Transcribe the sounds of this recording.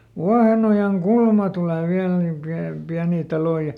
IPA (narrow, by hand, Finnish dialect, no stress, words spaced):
ʋuɑhenojɑŋkulmɑ tule ʋiæl nim piæ piæniː tɑloĭ jɑ